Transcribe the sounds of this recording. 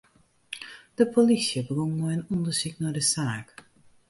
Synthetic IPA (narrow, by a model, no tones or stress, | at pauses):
d̥əpʰolisjəbəʋonnɔjənɔndərsiknadəsaːk